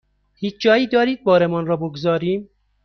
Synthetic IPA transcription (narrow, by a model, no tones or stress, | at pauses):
hiːt͡ʃʰd͡ʒɒːjiːd̪ɒːɾiːd̪̚bɒːɾemɒnɾɒːboɡzɒːɾiːm